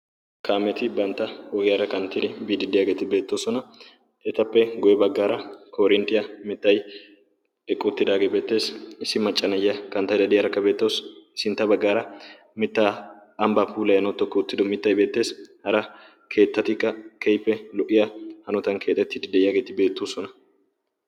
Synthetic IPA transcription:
kaːmɛt̪ɪbɐnt̪ːɐɔɡɪjaɾɐkɐnt̪ːɪd̪ɪbiːd̪ɪd̪ɪjaːɡe̞ːt̪ɪbe̞ːt̪ːoːsɔnɐ | ɛt̪ɐpːɛɡɔjɛbɐɡːaːɾɐkoːɾɪnt̪ɪjɐmɪt̪ːɐj | ɛkʼːʊt̪ːɪd̪aːɡeːbe̞ːt̪ːe̞ːsɪsːɪmɐt͡ʃʼːɐnɐjːɐkɐnt̪ːɐjd̪ɐd̪ɪjɐɾɐkːɐbe̞ːt̪ːoːssɪnt̪ːɐbɐɡːaːɾɐ | mɪt̪ːaː | ɐmbapʰuːlɐjɐnɔt̪ːɔkːuːt̪ːɪd̪ɔmɪt̪ːɐjbe̞ːt̪ːe̞ːshɐɾɐ | kʰe̞ːt̪ːɐt̪ɪkːɐkʰɛjpːɛlɔʔɪjahɐnɔt̪ɐnkʰe̞ːt̪ʼːɛt̪ːɪd̪ɪd̪ɛʔɪjaːɡe̞ːt̪ɪbe̞ːt̪ːoːsɔnɐ

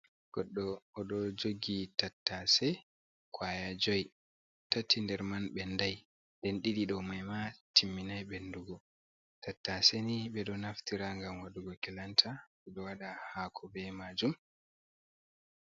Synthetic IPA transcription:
ɡ̥ɔɗːɔːɗɔd͡ʒoɡitatːasɛ | kwajad͡ʒɔj | tatːindɛɾmanɓɛndaj | ndɛnɗiɗiɗɔmajmatimːinajɓenduɡɔ | tatːaseniɓɛɗɔnaftiɾaŋɡamwaɗuɡɔkɛlantʰaɓɛɗɔwaɗahakʰɔbɛmad͡ʒum

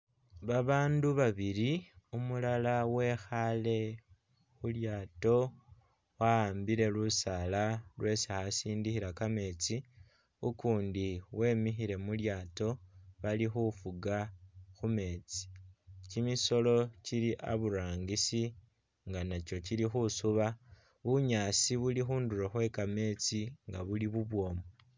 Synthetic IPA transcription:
βaβaːnduβaβiɾiumulalawe̞xale̞ | xuljaːto̞ | waaːmbiɾe̞lusalalwe̞ːsixasiːndixiɾakame̞ːt͡si | ukuːndiwe̞ːmixiɾe̞muljaːto̞βalixufuɡaxume̞t͡si̥cimiso̞lo̞ciliʔa̰βuɾaːŋɡisi | ŋɡanat͡ʃo̞cilixusuβa | βuɲasiβulixuːnduɾoxwe̞kame̞t͡siŋɡa̰βuliβuβwo̞ːmo

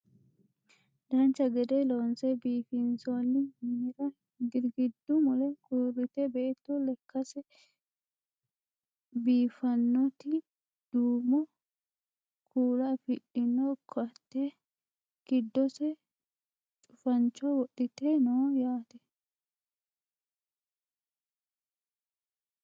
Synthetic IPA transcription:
d̪ɐnt͡ʃːɐɡɛd̪ɛloːnsɛbiːfɪnsonːɪmɪɾɐ | ɡɪɾɡɪd̪ːʊmʊlɛkuːrːɪt̪ɛbeːt̪ːɔlɛkːɐsɛ | biːfɐnːɔt̪ɪ | d̪̥uːmɔ | kʰuːɾafɪʔɪnːɔkʰːɔɐt̪ːɛ | ɡ̥ɪd̪ːɔsɛ | t͡ʃʼʊfɐnt͡ʃːɔwɔɗːɪt̪ɛnɔːjaːt̪ɛ

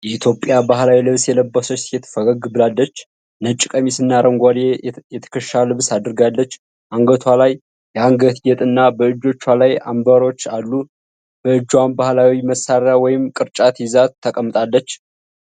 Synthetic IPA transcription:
jɛit̪ʰjo̞pʼjabaɦlawilɨβsjɛləbːəsot͡ʃt̪jɛt̪ʰə̥fəɡəɡbɨlalːət͡ʃː | nət͡ʃʼːɪkʼəmisɨnːaɾəŋɡʷalejɛt̪ʰə̥kʰəʃalɨβsad̪ɨɾɨɡalːət͡ʃː | ʔaŋɡət̪ʰwalajː | ɛaŋɡət̪jɛt̪ʼɨnːabəɨd͡ʒːo̞t͡ʃːwalaja̰mbəɾo̞t͡ʃːalːu | b̥əɨd͡ʒːwanbahlawiməsaɾawɔjɪmkʼɨɾt͡ʃʼat̪jɪzat̪ʰːəkʼəmːɨt̪ʼalːət͡ʃː

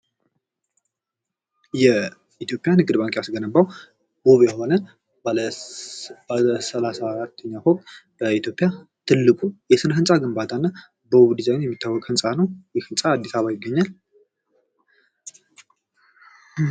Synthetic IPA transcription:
jɛ | it̪ʰjo̞pʼjanɨɡɨd̪baŋkʼejasɡənəbaw | boβjɛho̞nə | səlasaːɾat̪ʰːəɲːahokt̪b̥əit̪jo̞pʼɪjat̪ʰɨlːɨkʼujɛsɨnɦɨnsʼaɡɨmbat̪ʰanːa | bəβd̪izajnjɛmːit̪ʰːawːɔkʼhɨnsʼanəwjɛhɨnsʼaːd̪ːisaβajɪɡːəɲːal

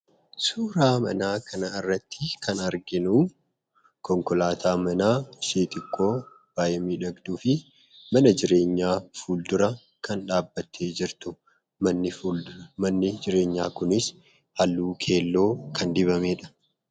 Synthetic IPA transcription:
suːɾaːmɐ̰naːkʰɐnɐɪrːɐt̪ʰːɪkʰɐnɐɾɡɪnuː | kʰɔŋkɔlaːt̪ʰaːmɐnaːʃeːt̪ʼɪkʼːo̞ː | b̥aːjɛmiːᶑɐɡd̪uːfɪ | mɐnɐd͡ʒɪɾe̞ːɲːaːfuːld̪ʊɾɐ | kɐnᶑaːbːɐt̪ʰːe̞ːd͡ʒɪɾt̪ʊ | mɐnːɪmɐnːɪd͡ʒɪɾe̞ːɲːaːkʊnɪs | hɐlːuːkʰe̞ːlːo̞ːkʰɐnd̪ɪβɐmeːᶑɐ̥

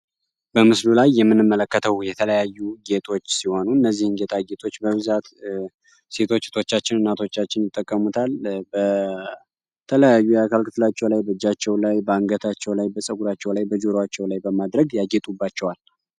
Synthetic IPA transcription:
bəmɨslulajːɛmːɨnːɨmːələkːət̪ʰəwjɛt̪ʰələjajːuɡe̞t̪ʼʰo̞t͡ʃːsiho̞nuɨnːəzːihɨnɡe̞t̪ʰaɡe̞t̪ʰʼo̞t͡ʃːbəβɨzat̪ | se̞t̪ʰo̞t͡ʃːsɨt̪ʰo̞t͡ʃːat͡ʃːɪnɨnːat̪ʰo̞t͡ʃːat͡ʃːɪnjɪt̪ʼːəkʼːəmut̪ʰalbə | t̪ʰələjajːujakʰalkʰɨt̪ɨlat͡ʃːɛwlajbəd͡ʒːat͡ʃːɛwlajbəaŋɡət̪ʰat͡ʃːɛwlajbəsʼəɡuɾat͡ʃːɛwlajbəd͡ʒoɾoat͡ʃːɛwlajbəmad̪ɾəɡjaɡe̞t̪ʼubːat͡ʃːɛwal

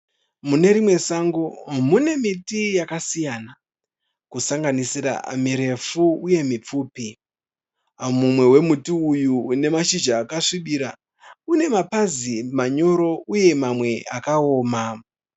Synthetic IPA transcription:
mune̞ɾimwe̞saŋɡomune̞mitijakasijana | kusaŋɡanisiɾa̰miɾe̞fuːje̞mip͡fuːpi | mumwe̞we̞mutiujune̞maʃid͡ʒaːkaʂiɓiɾa | une̞mapazimaɲo̞ɾo̞uje̞mamwe̞akaoːma

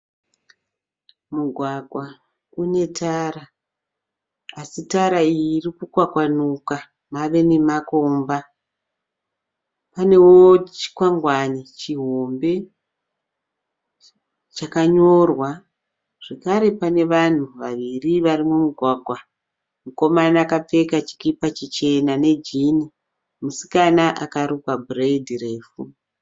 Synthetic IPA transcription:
muɡʱwaɡʱwa | une̞tʰara | asitaɾaijːrikukwakwanuka | maʋe̞nemakomba | pane̞wot͡ʃi̥kwaŋɡwanit͡ʃiɦombe̞ | t͡ʃakaɲo̞rwa | ʐ̥ekaɾe̞pane̞ʋan̤uʋaʋiriʋarimumuɡʱwaɡʱwa | muko̞manaakap͡fe̞kat͡ʃi̥kipat͡ʃit͡ʃe̞nane̞d͡ʒini | musi̥kanaʔakaɾukwabʱuredireːfu

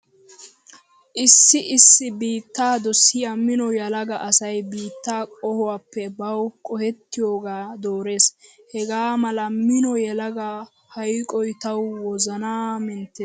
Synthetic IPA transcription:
ʔɪsːɪʔɪsːɪbiːt̪ːaːd̪ɔsːɪjamɪnɔjɐlɐɡɐʔɐsɐjbiːt̪ːaːkʼɔhɔwaːpːɛbɐwkʼɔhɛt̪ːɪjoːɡaːd̪o̞ːɾe̞ːs | hɛɡaːmɐlɐmɪnɔjɛlɐɡa | hɐjkʼɔjt̪ɐwwɔzɐnaːmɛnt̪ːeːs

